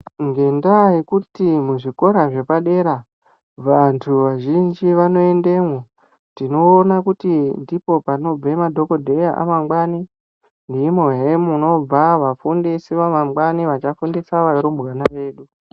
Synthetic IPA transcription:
ŋɡe̞ndaikutimuʐiko̞ɾaʐe̞paɗe̞ɾa | ʋantʰuʋaʒind͡ʒiʋano̞e̞nde̞mo | tdino̞ːnakutindipo̞pano̞b͡vemadʱo̞ko̞dʱe̞jaʔa̰maŋɡwani | ndimoɦemuno̞b͡vaʋafundisiʋamamwaniʋat͡ʃafundisaʋaɾumbɣanaʋe̞ːɗu

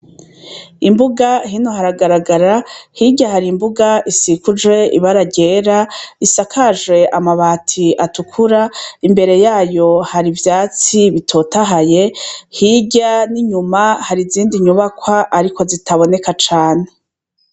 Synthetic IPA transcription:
imbuɡahinohaɾaɡaɾaɡaɾahiɟahaɾimbuɡaisikud͡ʒwe̞iβaɾaɟe̞ːɾaisakʰaʒwe̞ʔamaβaːtʰiatukʰuɾaimbe̞ɾe̞jaːjo̞haɾivjaːt͡siβitʰo̞taɦaje̞hiɟaniɲumahaɾiziːndiɲuβakwaʔaɾiko̞zitʰaβo̞ne̞kat͡ʃaːne̞

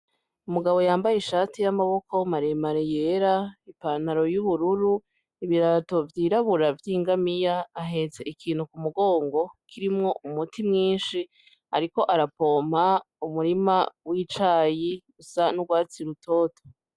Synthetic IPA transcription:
umuɡaβo̞jaːmbajeʃaːtijamaβo̞komaɾemaɾejeɾaipaːnaɾo̞juβuɾuɾu | iβiɾato̞vjiːɾaβuɾavjiːŋɡamijaːɦe̞ze̞ʔikʰiːnhukumuɡo̞ːŋɡo̞kʰiɾimŋo̞ʔumutʰimŋiːnʃi | aɾiko̞ʔaɾapo̞ːm̥ha | umuɾimawit͡ʃaːji | usanuɡwaːt͡siɾutʰo̞ːto̥

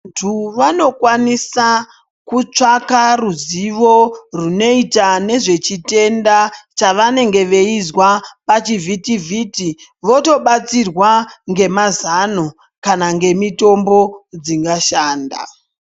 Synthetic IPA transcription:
tʰuʋano̞kwanisa | kut͡ʂakaruziʋo̞runo̞itane̞ʐe̞t͡ʃite̞ndat͡ʃaʋane̞ŋɡe̞ʋe̞izwapat͡ʃivʱitivʱitiʋo̞to̞ɓat͡sirwaŋɡe̞mazano | kanaŋɡe̞mito̞mbo̞d͡ziŋɡaʃaːnda̰

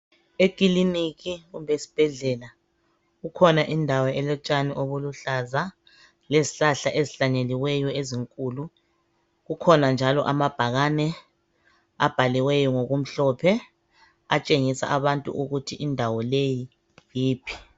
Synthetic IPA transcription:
ekʼiliniɣiɣumbʱesi̥b̥ʱɛɮɛla | ɣukʰɔnaʔindʱawɔɛlɛt͡ʃʼaniʔoβuluɬaza | leziɬaɬaʔeziɬaɲeliwɛjɔeziŋkʼulu | ɣukʰɔnand͡ʒʱalɔ̰ʔamab̥ʱaɣanɛ | a̰b̥ʱaliwɛjɔŋoɣum̩ɬɔpʰɛ | a̰t͡ʃʼeŋisa̰ʔaβantʼṵʔuɣutʰiʔindʱawɔleji | jiːpʰi̥

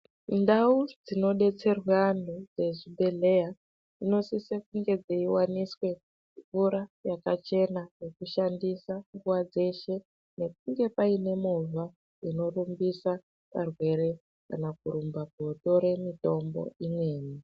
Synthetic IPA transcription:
ndaud͡zino̞ɗe̞t͡se̞rwandud͡ze̞ʐibʱele̞ja | ino̞sisekuŋɡe̞d͡zeiwaniswe̞ | fuɾajakat͡ʃe̞najekuʃandisaŋɡuwad͡ze̞ʃe̞ | ne̞k̚uŋɡe̞paine̞mova | ino̞rumbisa | pa̰rwe̞ɾe̞ | ka̰nakuɾumbaɡo̞to̞ɾe̞mito̞mbo̞̰imwe̞ːni

